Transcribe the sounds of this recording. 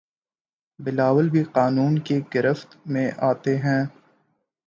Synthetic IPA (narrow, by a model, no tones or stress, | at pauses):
bɪlaːʋəlbʱiqaːnuːnkeɡɐɾəft̪mẽʔaːt̪eɦɛ̃ː